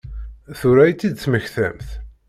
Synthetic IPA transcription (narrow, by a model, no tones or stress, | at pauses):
θuɾæjt͡s̪ːid̪t͡sːməçθæ̰mθ